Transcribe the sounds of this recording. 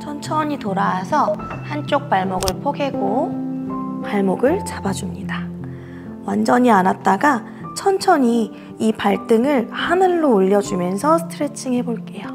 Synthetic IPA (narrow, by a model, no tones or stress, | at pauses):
t͡ɕʰʌnt͡ɕʰʌɲitoɾaːsʰʌhant͡ɕ͈ok̚p͈aɭmoɡɯɭpʰoɡe̞ɡo | paɭmoɡɯɭt͡ɕabad͡ʑumɲida | wand͡ʑʌɲianat̚t͈aɡa | t͡ɕʰʌnt͡ɕʰʌɲi | ipaɭt͈ɯŋɯɭhanɯɭːoːʎːʌd͡ʑumjʌnsʰʌsʰɯ̥tʰɯɾe̞t͡ɕʰiŋɦe̞boɭk͈e̞jo